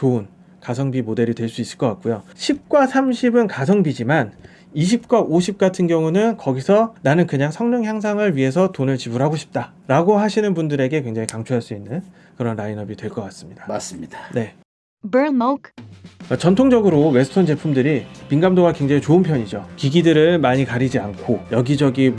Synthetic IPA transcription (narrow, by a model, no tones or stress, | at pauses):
t͡ɕoɯn | kasʰʌŋbimode̞ɾidtwe̞ɭs͈uis͈ɯ̥ɭk͈ʌk͈at̚k͈ujoɕʰip̚k͈wasʰamɕʰibɯnkasʰʌŋbid͡ʑiman | iɕ̬ʰip̚k͈waʔoɕʰip̚k͈atʰɯnɡjʌŋunɯnkʌɡisʰʌnanɯnkɯɲaŋsʰʌŋɲɯŋçjaŋsʰaŋɯɭɥiɦe̞s̬ʰʌtonɯɭt͡ɕibuɾɦaɡoɕʰi̥p̚t͈a | ɾaɡoɦaɕʰinɯnbundɯɾe̞ɡe̞kwe̞ŋd͡ʑaŋikaŋt͡ɕʰoɦaɭs͈uinːɯn | kɯɾʌnɾainʌbidwe̞ɭk͈ʌk͈as͈ɯ̥mɲid̥ḁas͈ɯmid̥ne̞ | bə˞nmowk | t͡ɕʌntʰoŋd͡ʑʌɡɯɾowe̞sʰɯ̥tʰont͡ɕe̞pʰumdɯɾipinɡamdoɡakwe̞ŋd͡ʑaŋit͡ɕoɯnpʰjʌɲid͡ʑokiɡidɯɾɯɭmaɲikaɾid͡ʑiankʰojʌɡid͡ʑʌɡi